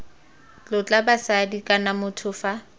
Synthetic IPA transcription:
t͡ɬʊt͡ɬʼabasadikʼanamʊtʰʊːfa

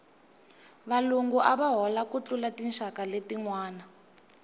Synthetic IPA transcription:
βaluŋɡuʔaβaɦɔlakut͡ɬulatinʃakaletiŋwaːna

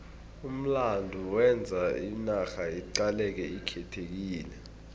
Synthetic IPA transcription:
um̩landʱuwɛnd͡zʱainaxaiǀalɛk̬ɛikʰɛtʰek̬iːlɛ

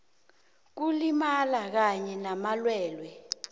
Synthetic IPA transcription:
k̬ulimalak̬aɲɛnamalwɛːlwɛ

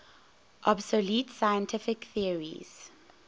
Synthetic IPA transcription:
ʔɔbsolitsajə̃ntʰɪfɪkθiəɹḭz̥

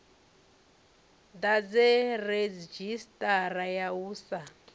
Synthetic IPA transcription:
d̪ad͡zɛred͡zd͡ʒistʼarajauːsa

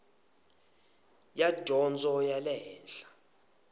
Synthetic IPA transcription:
jad̥ʱɔnd͡zʼɔjalɛːnɬḁ

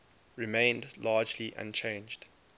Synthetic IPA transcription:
ɹimẽɪ̃ndlɑːd͡ʒliʔã̰nt͡ʃʰẽɪ̃nd͡ʒd̥

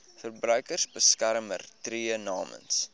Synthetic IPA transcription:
fərbrœɥkərsbəskæɾmə̰rtriənɑːmə̰ns

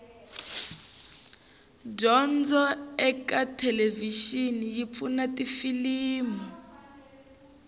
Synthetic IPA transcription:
d͡ʒɔnd͡zɔɛkatʰɛleviʃinijip̪funatifiliːmu

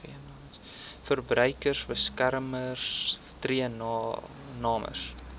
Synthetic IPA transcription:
riənː | fərbɾœɥkərsbəskærmərs | triən | nɑːmə̰rs

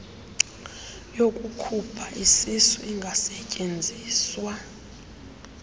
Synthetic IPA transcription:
jokʼukʰupʰaʔisisuiŋɡʱasɛcʼend͡zʱiːswa

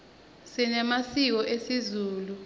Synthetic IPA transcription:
sinɛmasiw̬ɔʔesizuːlu

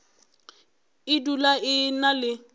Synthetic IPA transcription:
ɪdulaɪnalɪ

